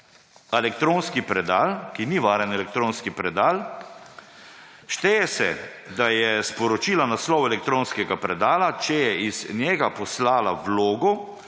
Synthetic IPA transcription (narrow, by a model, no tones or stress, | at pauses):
ɛlɛk̚t̪ɾoːnskipɾɛd̪aːlkiniʋaːɾɛnɛlɛk̚t̪ɾoːnskipɾɛd̪aːl | ʃt̪ɛjɛsɛ̰d̪ajɛspɔɾɔt͡ʃiːlanaslɔwɛlɛk̚t̪ɾoːnskɛɡapɾɛd̪aːlat͡ʃɛjɛiz̥njɛɡapɔslaːla̰ʋloːɡɔ